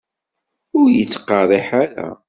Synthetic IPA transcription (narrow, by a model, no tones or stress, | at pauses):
ʊɾjət͡sːqːɑɾˤiħaɾæ̰